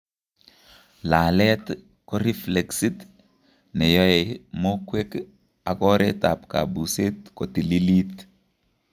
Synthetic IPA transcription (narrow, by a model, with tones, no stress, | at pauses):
la˨lɛ˦t | kɔ˦ɾi˦fle˨ksi˦t | nɛ˨jɔ˦ɛ˨mo˦kwe˦k | a˨kɔ˦ɾe˦ta˨pka̰˨bu˨se˦t̪ko˨ti˨li˦li˦t̪